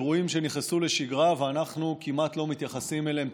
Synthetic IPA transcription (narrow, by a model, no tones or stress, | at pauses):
ʁuimʃe̞niχnesuleʃiɡʁaveanaχnukimat̪lo̞mit̪jaχasimelem